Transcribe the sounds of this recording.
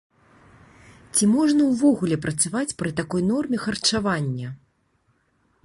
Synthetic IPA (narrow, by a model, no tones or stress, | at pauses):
t͡sʲimɔʐnɐwvɔɣulʲɛpɾɐt̪savat͡sʲpɾɨt̪akɔjnɔrmʲɛxɐrt͡ʂavanʲːɐ